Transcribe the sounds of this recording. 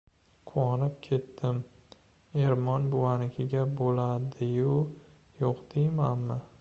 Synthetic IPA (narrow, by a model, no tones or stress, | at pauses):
qʰʊwɒnɪp̚kʲʰe̞t̪ːɪm | e̞ɾmɒnbʊwanɪkʲʰɪɡʲabolad̪ɪjʊ | joqd̪̥ejmanmɪ